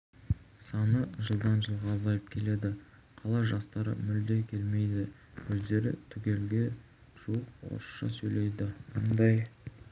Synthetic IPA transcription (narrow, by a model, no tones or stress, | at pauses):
sɑnəʒəlˠd̪ɑnʒəlˠʁɑːzɑjəp̚kʲʰe̞le̞d̪ɪ | qʰɑlˠɑʒɑst̪ɑɾə̰mʏld̪e̞kʲʰe̞lme̞jd̪ɪ | wɵzd̪e̞ɾɪ̰t̪ʰʏɡʲe̞lɡʲe̞ | ʒ̥uəq̚wo̰ɾəsʃɑ̰sɵjle̞jd̪ɪmond̪ɑj